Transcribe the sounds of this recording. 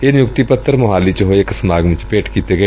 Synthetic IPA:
enjʊkt̪ipət̪ːəɾmoɦaːlit͡ʃɦoɪksəmaːɡʋɪ̃t͡ʃpeːʈkiːt̪eɡəe

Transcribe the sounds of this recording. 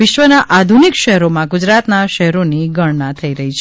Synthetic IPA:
ɪʃʋənaʔad̪ʱunikʃəɦɾomãɡud͡ʒɾat̪naʃəɦɛɾoniɡəɽnat̪ʰəiɾəɦit͡ʃʰ

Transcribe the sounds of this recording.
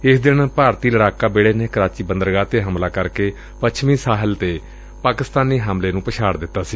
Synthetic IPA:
ɪsd̪ɪnpaːɾt̪iːləɽaːkaːbeːɽeːneːkəɾaːt͡ʃiːbənd̪əɾɡaːt̪eːɦəmlaːkəɾkeː | pət͡ʃʰmĩːsaːɦəlt̪eː | paːkɪst̪aːniːɦəmleːnũːpəʃʰaːɽd̪ɪt̪ːaːsiː

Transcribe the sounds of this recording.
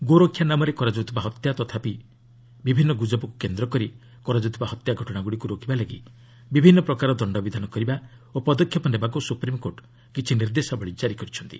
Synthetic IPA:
ɡoɾokʰjanamɔɾekɔɾad͡ʒut̪ʰɔbaɦɔt̪jat̪ɔt̪ʰapi | bibʱinːɔɡud͡ʒɔbɔkukend̪ɾɔkɔɾi | kɔɾad͡ʒut̪ʰɔbaɦɔt̪jaɡʱɔʈɔɽ̃aɡuɽikuɾokibaleɡḭ | bibʱinːɔpɾɔkaɾɔd̪ɔɳɖɔbid̪ʱanɔkɔɾiba | opɔd̪ɔkʰjɔpɔnd̪ebakusupɾimɔkoʈ | kit͡ʃʰiniɾd̪esɔbɔɭid͡ʒaɾikɔɾit͡ʃʰɔnt̪ḭ

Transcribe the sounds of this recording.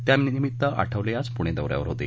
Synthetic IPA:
t̪jamniimit̪ːəa̰ʈʰəʋljat͡spuɽ̃ed̪əʋɾja̰ʋəɾɦot̪ḛ

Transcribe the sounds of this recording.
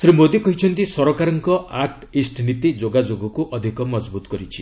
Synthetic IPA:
sɾimod̪ikɔɦit͡ʃʰɔnt̪isɔɾɔkaɾɔŋkɔaʈ | isʈʰnit̪id͡ʒoɡad͡ʒoɡɔkuʔɔd̪ʱikɔmɔd͡ʒbut̪ɔ̥kɔɾit͡ʃʰi

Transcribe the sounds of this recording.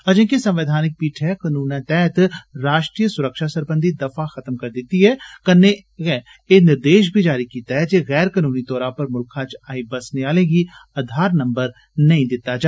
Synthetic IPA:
ɐd͡ʒə̃kisɐ̃mʋɪd̪ʱaːnɪk̚piːʈʰɛkənuːnãt̪ɛːt̪ɾaːʃʈɾijəsʊɾəkʃasɐɾbə̃nd̪ʱid̪ɐfaxɐt̪mkɐɾd̪ɪt̪ːiɦɛkɐnːe | ɣɛ | enɪɾd̪eːʃ̬bʱid͡ʒaːɾikiːt̪aɦɛd͡ʒeːɣɛːɾkənuːnit̪ɔːɾãpɐɾmʊlkʰat͡ʃaːibɐsneaːlẽɡiɐd̪ʱaːɾnɐ̃mbəɾ | nɐɦĩd̪ɪt̪ːad͡ʒaː

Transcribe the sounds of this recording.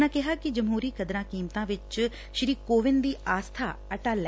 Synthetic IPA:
nãkɪɦakid͡ʒɐmɦuːɾiːkɐd̪ɾãːkiːmt̪ãʋɪt͡ʃ | ʃɪɾiːkoːʋɪnd̪iːʔaːst̪ʰa̰ːɐʈaːl

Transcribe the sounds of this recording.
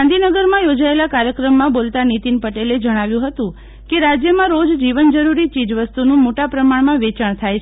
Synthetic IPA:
and̪ʱinəɡəɾmãjod͡ʒaelakaɾjəkɾəmːãbolt̪anit̪inpəʈeled͡ʒəɽ̃aʋjũɦət̪ũ | keɾad͡ʒjəmãɾod͡ʒd͡ʒiʋənd͡ʒəɾuɾit͡ʃid͡ʒʋəst̪unũmoʈapɾəmaɳmãʋet͡ʃəɳ̃t̪ʰajʰ

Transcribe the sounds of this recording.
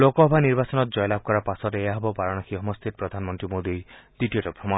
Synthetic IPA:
lokɔɦɔbʱaniɾbasɔnɔt̪d͡ʒɔjlab̚ʱkɔɾapasɔɾeeaɦɔbɔbaɾɔɽ̃ɔkʰiɔmɔst̪ʰit̪ɔpɾɔd̪ʱanmɔnt̪ɾimod̪id̪iʈiɔʈɔpɾɔma

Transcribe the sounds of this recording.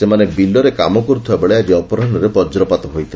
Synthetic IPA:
semanebilɔɾekamɔkɔɾut̪ʰɔebeɭead͡ʒiɔpɔɾaɔnɔɾebɔd͡ʒɾɔpat̪ɔɦojt̪ʰil

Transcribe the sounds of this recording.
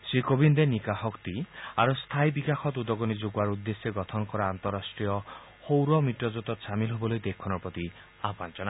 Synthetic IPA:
sikobind̪enikaɦɔkt̪ia̰ɾost̪ʰajbikaxʰɔt̪ud̪ɔɡɔnid͡ʒoɡaɾud̪ːesjeɡɔt̪ʰɔnɔkɔɾaːnt̪ɔɾasʈɾijɔ | howɾɔmiʈɔd͡ʒot̪ɔʃamilɦebɔlojd̪ekʰɔnɔpɾɔt̪i | apant͡ʃɔna

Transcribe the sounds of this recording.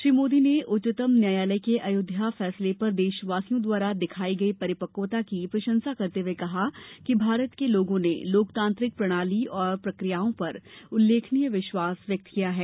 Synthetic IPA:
ʃɾiːmoːd̪ineʔʊt͡ʃɪt̪əmnjaːjaːləjkeʔɐjʊd̪ʱjafɛːslepɐɾd̪eːʃəʋaːsijõd̪waːɾad̪ɪkʰaːiɡɐipɐɾɪpəkoːt̪akipɾɐʃə̃nsakɐɾt̪eʋekɐɦakibʱaːɾət̪keloːɡõnḛloːkt̪ãːnt̪ɾɪk̚pɾɐɽ̃aːliɔːɾpɾɐkɾijaːõpɐɾʊlːeːkʰnijəʋɪʃwaːsʋjɐk̚t̪kijaɦɛː

